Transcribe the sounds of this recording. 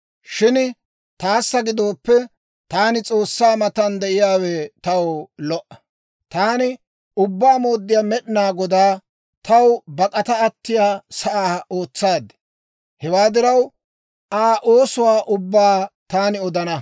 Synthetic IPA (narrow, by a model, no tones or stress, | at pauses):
ʃɪn | t̪aːsːɐɡɪd̪oːpːɛ | t̪aːnɪt͡sʼo̞ːsːaːmɐt̪ɐnd̪ɛʔɪjaːwet̪ɐwlɔʔɐ̥ | t̪aːnɪ | ʊbːaːmo̞ːd̪ːɪjaːmɛɗɪnaːɡɔd̪aː | t̪ɐwbɐkʼɐt̪ɐːt̪ːɪjaːsɐʔaːo̞ːt͡sːaːd̪ɛ̥ | hɛwaːd̪ɪɾɐw | ʔaːʔoːsʊwaːʔʊbːaːt̪aːnɪɔd̪ɐnɐ